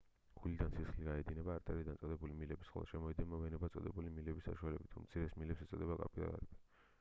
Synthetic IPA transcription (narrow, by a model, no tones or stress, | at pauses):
ɡ̥ulid̪ansisχliɡaɛd̪inɛbaːɾt̪ʼɛɾid̪ansʼɔd̪ɛbulimilɛbisχɛ̰lˠʃɛmɔid̪ɛnmavɛnɛbat̪sʼɔd̪ɛbulimilɛbisːa̰ʃualɛbit̪ʰumt̪sʰiɾɛsmilɛpsɛt̪sʼɔd̪ɛbakʼa̰pʼid̪a̰a̰ɾɛbi̥